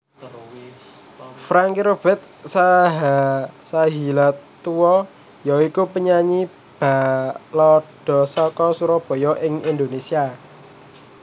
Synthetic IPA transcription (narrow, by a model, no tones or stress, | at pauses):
fɾaŋkiɾob̥ɛt̪̚saɦasaɦilat̪uwɔ | jɔikupəɲaɲi | b̥a̤lɔɖ̥ɔ̤sɔkɔsuɾɔb̥ɔ̤jɔʔɪŋind̪onesia